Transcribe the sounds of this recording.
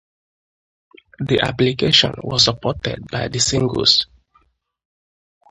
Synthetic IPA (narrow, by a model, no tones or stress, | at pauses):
diʔaplikeʃɔ̰̃nwɔ̰səpɔtɛ̰d̚baɪdəsĩŋɡə̰s